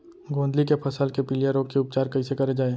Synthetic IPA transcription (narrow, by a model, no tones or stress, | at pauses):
ɡõːnd̪likepʰɐsəlkepɪlijəɾoːɡkeʊp̚t͡ʃaːɾkɐisekɐɾed͡ʒaːe